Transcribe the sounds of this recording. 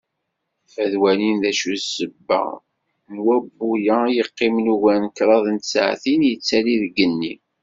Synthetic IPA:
fæðwælinðæʃusəbːə̰ | mwæbːujæjəqːɪmnuʝænkɾˤɑðˤənt̪sʕθinjət͡sːæliðɡənːi

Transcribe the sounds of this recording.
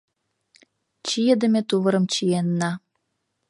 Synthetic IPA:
t͡ɕijed̪ə̆mʲet̪uβə̆ɾə̆mt͡ɕienːɑ

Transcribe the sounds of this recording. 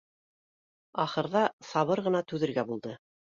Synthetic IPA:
ɑχɤ̆ɾðɑsɑβɤɾʁɤ̆nɑt̪ʉðɘ̆ɾɡæbulˠd̪ɤ

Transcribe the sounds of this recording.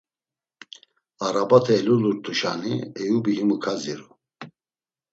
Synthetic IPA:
aɾabat̪ʰɛːluluɾt̪ʰuʃa̰niɛjubihimukʰaziɾu

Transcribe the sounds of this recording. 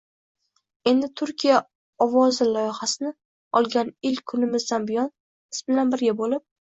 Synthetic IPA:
e̞nd̪ɪt̪ʰʊɾkʲʰija | ɒvɒzɪlɒjɪχasɪnɪ | ɒlˠɡʲanɪlkʲkʰːʊnɪmɪzd̪anbɪjɒn | ɪsbɪlanbɪɾɡʲabolɪp̚

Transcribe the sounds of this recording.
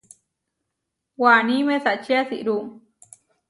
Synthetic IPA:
wanimẽsat͡ʃiasiʔɾum

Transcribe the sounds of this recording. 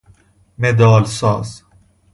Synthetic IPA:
med̪ɒːlsɒ̰ːz̥

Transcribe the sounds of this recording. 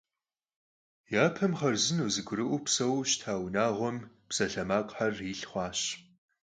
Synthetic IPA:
jaːpʰɐmχɐrzɨnuzɨɡʷʊɾɨʔʷʊpsɐwɕtʰaːwnaːʁʷɔm | psɐɬɐmaːqʼħariɬχʷɑːɕ

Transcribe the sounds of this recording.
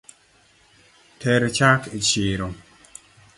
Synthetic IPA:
tʰɛɾt͡ʃakit͡ʃɪɾo

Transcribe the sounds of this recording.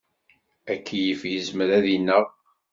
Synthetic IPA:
ækːjəfjəzməɾæðinːəʁ

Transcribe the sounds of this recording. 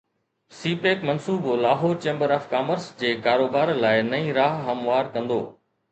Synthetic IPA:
siːpeːkmɐnsuːbolaːɦoːɾt͡ɕẽːmbəɾaːfkaːməɾsd͡ʑeːkaːɾoːbaːɾlaːɪnɐĩːɾaːɦɦɐmʋaːɾkɐ̃nd̪o̰ː

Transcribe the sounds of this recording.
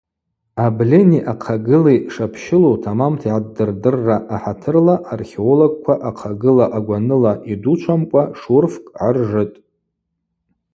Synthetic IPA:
ablʲeniʔaqʰaɡɨliʂapʰʃɪlotʰamamtʰiʕadːɨrdɨrːaʔːħatʰɨrlaʔarχʲeoloɡ̚kʷʰaʔaqʰaɡɨlaʔaɡʷanɨlaʔidut͡ʃʷʰamkʷʼaʂurfkʼʕarʐɨtʼ

